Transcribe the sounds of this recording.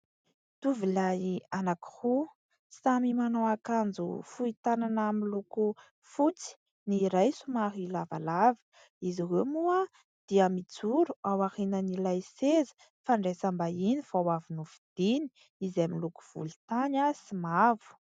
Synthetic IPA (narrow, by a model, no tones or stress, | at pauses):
t̪uvilajianaki̥hu | samimanowakand͡zṵfuit̪ananamiluku | fut͡si̥ | niɾajsumaɦilava̰lavə̥ | iziweumua | d̪̥iəmid͡zuɾuawahenənilajsezə̥ | faɳɖ͡ʐesambainifawavinuvid̪̥ini̥ | izamiluku̥v̥ṵli̥t̪anasimavu̥